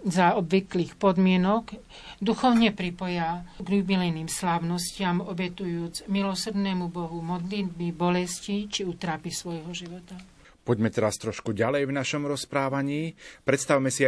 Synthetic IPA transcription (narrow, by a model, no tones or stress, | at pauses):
zaɔbʋikliːxpɔd̪mɪɛnɔɡ | d̪uxɔʊɲɛpɾipɔjaɡlubilɛjniːmslaʊnɔscɪamɔbɛt̪ujuːd͡zmilɔsrd̪nɛːmubɔɦumɔd̪lid̪̚bibɔlɛscit͡ʃiut̪ɾaːpisʋɔjɦɔʒiʋɔt̪a | pɔɟmɛt̪ɛɾast̪ɾɔʃkuɟalɛjvnaʃɔmɾɔspɾaːʋaɲiːpɾɛt̪st̪awmɛsi